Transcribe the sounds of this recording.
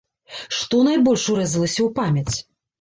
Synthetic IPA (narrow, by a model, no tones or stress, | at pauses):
ʂt̪ɔnajbɔlʲʂuɾɛzɐlˠɐsʲɐwpamʲɐt͡sʲ